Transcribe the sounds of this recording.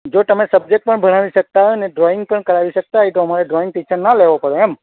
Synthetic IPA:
d͡ʒot̪əmesəb̚d͡ʒek̚ʈ̚pəɳbəɽ̃aʋiʃək̚t̪aɦoneɖɾoɪ̃ŋɡ̚pəɳkəɾaʋisək̚t̪aɦit̪oɦəmaɾeɖɾoɪ̃ŋɡ̚pit͡ʃʰənaleʋopəɽeem

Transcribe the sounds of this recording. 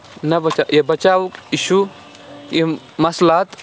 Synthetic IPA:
nɐbɐt͡ʃajebɐt͡ʃaːwukiʃu | je | mɐslaːt̪

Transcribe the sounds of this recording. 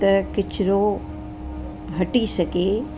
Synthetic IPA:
ɐkɪt͡ʃʰɾoː | ɦɐʈisɐkeː

